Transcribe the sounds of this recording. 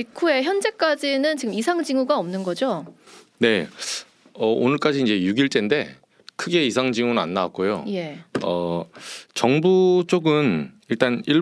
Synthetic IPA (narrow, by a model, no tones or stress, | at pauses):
pikʰue̞çjʌnd͡ʑe̞k͈ad͡ʑinɯnt͡ɕiɡɯmisʰaŋd͡ʑiŋuɡaʌmnɯnɡʌd͡ʑo | ne̞ | ʌʔo̰nɯɭk͈ad͡ʑiːnd͡ʑe̞juɡiɭt͡ɕ͈e̞nde̞ | kʰɯɡe̞isʰaŋd͡ʑiŋunɯna̰nːawa̰k͈̚ojo̰je̞ʌ | t͡ɕʌŋbut͡ɕ͈oɡɯniɭt͈aniɭ